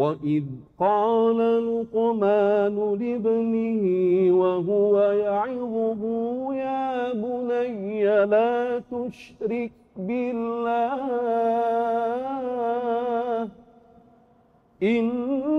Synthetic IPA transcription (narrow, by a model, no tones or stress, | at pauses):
waʔɪðqɑːlalʊqmaːnʊlɪbnɪhiwaɦʊwajaʕɪðˤʊbʊːjaːbʊnajːalaːt̪ʊʃɾɪk̚ | bɪlːaː | h | ʔɪn